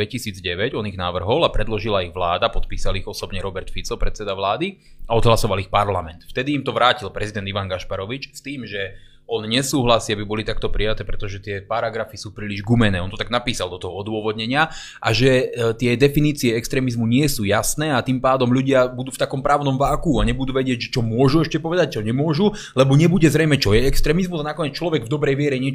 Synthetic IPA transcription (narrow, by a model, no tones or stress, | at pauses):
ɛcisiːd͡zɟɛʋɛɟɔniɣnaʋr̩ɦɔlapɾɛd̪lɔʒilaiɣʋlaːd̪apɔt̪̚piːsaliɣɔsɔbɲɛɾɔbɛɾt̪fit͡sɔpɾɛt͡sɛd̪aʋlaːd̪iaɔd̪ɦlasɔʋalixpaɾlamɛnt̪ft̪ɛd̪iːmt̪ɔʋɾaːcilpɾɛzid̪ɛnd̪iʋanɡaʃpaɾɔʋit͡ʃst̪iːmʒɛ | ɔnɲɛsuːɦlasiabibɔlit̪ak̚t̪ɔpɾijat̪ɛːpɾɛt̪ɔʒɛt̪ɪɛpaɾaɡɾafisuːpɾiːliʒɡumɛnɛːɔnt̪ɔt̪aɡnapiːsald̪ɔt̪ɔɦɔɔd̪ʊɔʋɔd̪ɲɛɲɪa | ʔa̰ʒɛt̪ɪɛd̪ɛfiniːt͡siɛɛkst̪ɾɛːmizmuɲɪɛsuːjasnɛːat̪impaːd̪ɔmʎuɟɪabud̪uːft̪akɔmpɾaːʊnɔmʋaːkuaɲɛbud̪uːʋɛɟɪɛɟʒɛt͡ʃɔmʊɔʒuɛʃcɛpɔʋɛd̪ac̚t͡ʃɔɲɛmʊɔʒu | lɛbɔɲɛbuɟɛzɾɛjmɛt͡ʃɔjɛɛkst̪ɾɛːmizmuzanakɔɲɛt͡st͡ʃlɔʋɛɡvd̪ɔbɾɛjʋɪɛɾɛɲɪɛ